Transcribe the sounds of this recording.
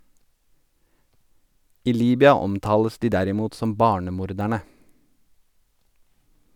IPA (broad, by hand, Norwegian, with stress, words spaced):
ˈiː ˈliːbʏɑ ˈɔmˌtɑːləs ˈdiː ˈdæɾɪˌmuːt ˈsɔm ˈbɑːɳəˌmuːɾˌdæɳə